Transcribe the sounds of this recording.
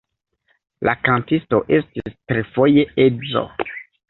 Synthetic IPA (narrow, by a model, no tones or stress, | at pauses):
lʔakantisto̞ʔe̞stistɾefo̞je̞ezo̰